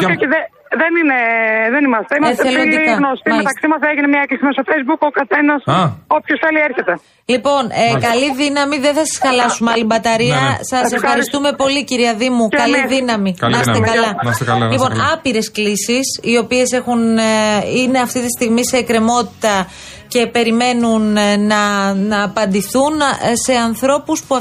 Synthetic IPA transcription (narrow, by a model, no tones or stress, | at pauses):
oiðe | ðenineðenimɐst̪eimet̪eeloliɣnost̪imet̪ɐksimɐseʝinemɲɐeklisimesofejzbukokɐθenɐsopçosθelieɾçet̪e̞ | lipo̞nekɐliðinɐmiðeθɐsɐ̥sxɐlɐsumɐlibɐt̪ɐɾiɐsɐssefxɐɾist̪ume̞po̞liciɾiɐðimukɐliðinɐmikmɐst̪ekɐlɐnɐsɐlipo̞nɐpiɾe̞sklisisio̞pie̞se̞xun | ine̞ɐft̪it̪ist̪iɣmise̞ːkɾe̞mo̞t̪i̥t̪ɐ | ce̞pe̞ɾime̞nunːɐnɐːpɐnd̪iθunse̞ɐnθɾo̞puspuɐ